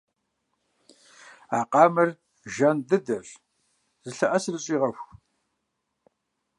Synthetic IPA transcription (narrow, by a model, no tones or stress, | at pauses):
aːqʼɑːmɐr | ʒɐndɨdɐɬ | zɨɬɐʔɐsɨrɨɕʼiːʁɐxʷ